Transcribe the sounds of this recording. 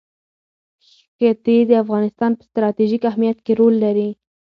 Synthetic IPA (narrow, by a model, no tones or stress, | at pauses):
ət̪ed̪əafɣɑnɪst̪ɑnpə̥st̪ɾɑt̪iʒikahmijat̪keɾolːaɾi